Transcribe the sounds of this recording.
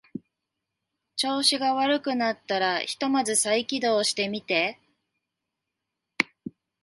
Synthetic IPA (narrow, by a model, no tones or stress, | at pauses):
t͡ɕo̞ːɕiɡaβaɾɯ̟kɯ̟nat̪ːaɾaçi̥t̪o̞mazɨsaikʲid̪o̞ːɕi̥t̪e̞mʲit̪e̞